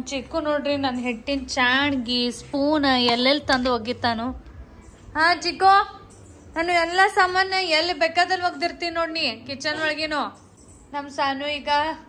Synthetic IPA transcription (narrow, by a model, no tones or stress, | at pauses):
t͡ʃikːunoːɽɾinɐnɦeʈːint͡ʃaːɳɡispuːnɛlːelt̪ɐnd̪ɦoɡit̪ːaːnu | ɦãːt͡ʃikːo | naːnuɛlːɐsɐmaːnɐɛlːibeːkaːd̪ɐlʋɐɡ̚d̪iɾt̪innoːɽɳikit͡ʃːɐnʋɐɭɐɡinu | nɐmsaːnuiːɡɐ